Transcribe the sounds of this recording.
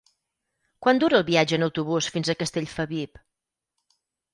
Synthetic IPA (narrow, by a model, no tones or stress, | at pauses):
kwand̪uɾəːlˠβiad͡ʒəːnəwt̪uβusfinzəkəst̪eʎfəβip